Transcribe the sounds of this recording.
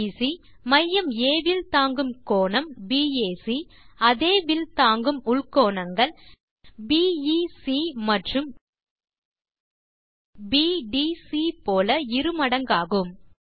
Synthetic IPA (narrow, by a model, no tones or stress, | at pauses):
si | mɐjːɐmeːʋɪlt̪aːŋɡɯmkoːɳɐmbiːeːsi | ɐðeːʋɪlt̪aːŋɡɯmʊɭkoːɳɐŋɡɐɭ | biːisimɐʈrɯm | biːɖiːsipoːlɐɪɾɯmɐɽɐŋɡaːɣɯm